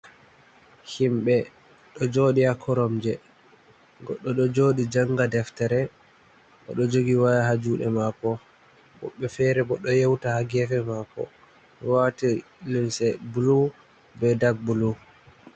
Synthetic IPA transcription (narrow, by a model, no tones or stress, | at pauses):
himɓɛ | ɗɔd͡ʒoːɗiakʰɔɾɔmd͡ʒɛ | ɡɔɗːɔɗɔd͡ʒoɗid͡ʒaŋɡadɛftɛɾɛ | ʔɔ̰ɗɔd͡ʒoɡiwajaɦad͡ʒuɗɛ̰makɔ | bɔ̰ɓːɛfɛɾɛbɔɗɔjewtahaɡɛfɛmakɔ̰ | wati | linsɛbulu | bɛdaɡ̚bulu